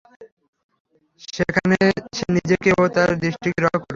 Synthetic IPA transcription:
ʃekʰaneʃenid͡ʑekeot̪aɾd̪ɾiʃʈikɾɔɦkɔɾe

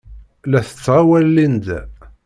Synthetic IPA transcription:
læθə̥t͡sːʁawælːind̪æ

